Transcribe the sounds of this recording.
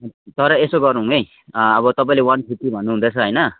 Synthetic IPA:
t̪ʌɾʌesoɡʌɾnuɦũej | ʌbʌt̪ʌpãĩlewʌnsʰiʈibʱʌnːuɦund̪ʌt͡sʰʌɦʌjnʌ

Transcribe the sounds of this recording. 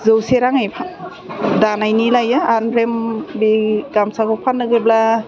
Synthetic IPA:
zɯwseɾaŋajpʰa | danajnilajaanɾembiɡamsakɔpʰanːɯɡebla

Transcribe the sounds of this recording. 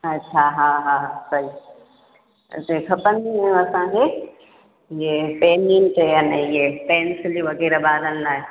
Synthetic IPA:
ɐtːʃʰaɦaːɦãːsɐɦi | sekʰɐpənd̪iejũɐsãke | ɪɦepɛːniːnt͡ʃejənẽɪɦepɛːnsɪliʋɐɣeːɾbaːlənɪlaːe

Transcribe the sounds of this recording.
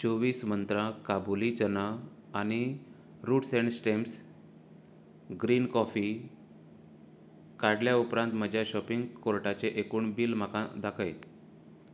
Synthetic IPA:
t͡sɔʋiːsmənt̪ɾãkabulit͡ɕənaː | ɽ̃i | ɾuːʈseɳsʈems | ɡɾiːnkɔfi | kaɽljaupɾãnt̪məd͡ʑʱjaɕɔpiŋɡkoɾʈat͡seʔekuːɳbiːlm̤akãd̪akʰəj

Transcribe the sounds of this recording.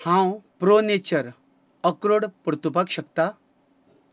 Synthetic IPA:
hãwpɾonet͡ɕəɾ | əkɾoɽpəɾt̪upakɕəkt̪a

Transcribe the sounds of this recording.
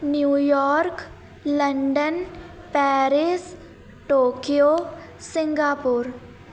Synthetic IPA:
njuːjɔːɾk | lɐɳɖən | pɛːɾɪs | ʈoːkijo | sɪ̃ŋɡaːpʊɾ

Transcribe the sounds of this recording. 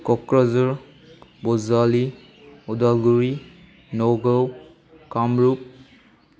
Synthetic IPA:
kɔkɹɔzuɹ | bɔzali | ɔdalɡuɹi | nɔɡɔw | kamɹup̚

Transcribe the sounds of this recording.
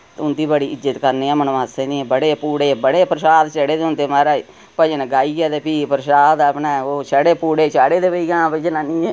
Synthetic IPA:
t̪ʊnd̪iːbəɽiːɪd͡ʒət̪kəɾneːãːmənoːaːsẽːnĩːbəɽeːpuːɽeːbəɽeːpɾəʃaːd̪t͡ʃəɽeːd̪eʊnd̪eːmaɾaːi | pəd͡ʒənɡaːiːɡɛːd̪eːpiːpɾəʃaːd̪əpnɛːoːt͡ʃəɽeːpuːɽeːt͡ʃaːɽeːd̪eːpəiɡãːpəd͡ʒnaːnĩː

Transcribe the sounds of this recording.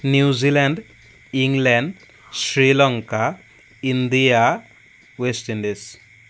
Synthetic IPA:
njuzilaɳɖ | iŋlɛɳɖ | sɾilɔŋka | ind̪ija | wesʈiɳɖes

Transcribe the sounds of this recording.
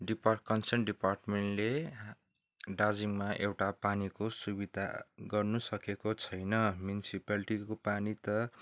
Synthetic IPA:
ɖiparkʌnsʌrnɖiparʈmeɳʈle | ɖad͡ziŋmaʔewʈapanikosubid̪ʱaɡʌrnusʌkekot͡sʰʌjnʌmjunisipaliʈikopanit̪ʌ

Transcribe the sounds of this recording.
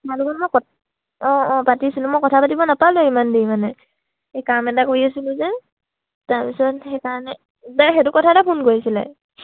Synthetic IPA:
taɹlukɔnmɔjkɔ | ɔ̃ːpatisilʊmɔjkɔtʰapatibɔnapalʊimandimanɛ | ekamɛt̬akoɹiasilʊ̃zɛ | taɹpisɔthɛkaɹɔnɛ | taxɛtʊkɔtʰatapʰunkojisilɛ̰

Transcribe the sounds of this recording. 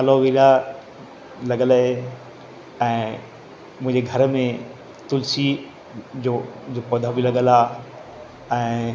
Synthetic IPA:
kəloʋila | lɐɠəlɦe | ɛ̃ː | mʊ̃ɦɪ̃ɲd͡ʑeɡʱɐɾmẽ | t̪ʊlsi | d͡ʑoːd͡ʑopod̪ʱabilɐɠəlaː | ɛ̃ː

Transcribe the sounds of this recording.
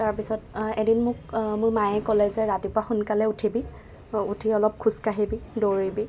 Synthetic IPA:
taɹpisɔtedinmʊkmʊɹmajɛkɔlɛzɛɹatipʊaxunkalɛutʰibi | utʰiɔlɔp̚kʰuskaɦibidoɹibi

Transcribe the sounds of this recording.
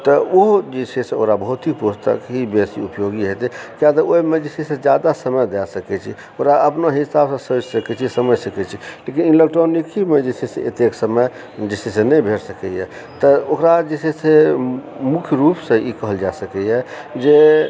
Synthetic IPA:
t̪ɔoɦd͡ʒisʰesẽo̰kɾabəɦut̪ipust̪ə̰kɦibesiupjoɡiɦot̪ɛkjat̪əoimed͡ʒisisẽd͡ʒjad̪asəməjd̪ɛsəkɛt͡ʃʰi | oɾaəpnoɦisabsə̃sot͡ʃsəkɛt͡ʃʰisəməd͡ʒsəkɛt͡ʃʰilekinilək̚ʈawnːikʰimed͡ʒesʰeseʔḛt̪eksəmə | d͡ʒisisẽnəjbʱeɾsəkɛjɛ̰ | t̪ɔokɾad͡ʒesese | mukʰjɾupsẽikəɦəld͡ʒasəkɛjɛd͡ʒe

